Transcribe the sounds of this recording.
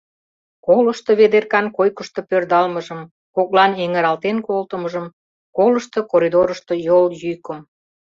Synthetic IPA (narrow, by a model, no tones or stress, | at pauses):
koləʃt̪oβed̪erkɑnkojkəʃt̪o̽pørd̪ɑlməʒəm | kok̚lɑneŋəɾɑlt̪enkolt̪əməʒəm | koləʃt̪okoɾid̪oɾəʃt̪ojoljyjkom